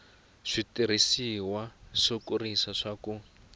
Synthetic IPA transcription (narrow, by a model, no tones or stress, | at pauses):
ʂitiɾ̤isiwaʂokurisaʂaku